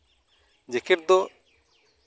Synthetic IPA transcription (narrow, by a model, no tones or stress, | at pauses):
d͡ʒɛkɛʈ̚d̪ɔ